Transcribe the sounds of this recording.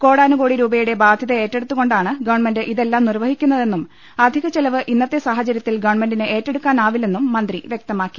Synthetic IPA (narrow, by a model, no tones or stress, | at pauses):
ko̞ːɽaːnuko̞ːɽiɾuːbɐjuɽe̞baːd̪ʱjɐðɐe̞ːtːeɽut̪ːuɣo̞ɳɖaːɳɨɡɐʋɐɳmendɨʔiðe̞lːaːmnirʋɐhikʲːunːɐðe̞nːum | ɐd̪ʱiɣɐt͡ɕelɐʋɨʔinːɐt̪ːe̞saːɦɐt͡ɕɐɾjɐt̪ːilɡɐʋɐɳmendinɨʔe̞ːtːe̞ɽukːaːnaːʋile̞nːumːɐnd̪riʋjek̚t̪ɐmaːkːi̥